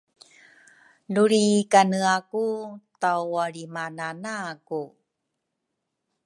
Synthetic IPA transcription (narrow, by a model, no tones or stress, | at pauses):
nuɾikanəakutawaɾimananaku